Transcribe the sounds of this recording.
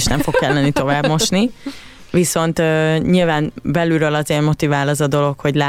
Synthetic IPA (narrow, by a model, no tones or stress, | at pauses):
ʃnɛ̰ɱfo̞kkːɛlːɛnit̪o̞vaːbmo̞ʃni | viso̞nt̪øɲilvaːnbɛlyɾølɒzeːrmo̞t̪ivaːlɒzɒd̪o̞lo̞kho̞ɟlaː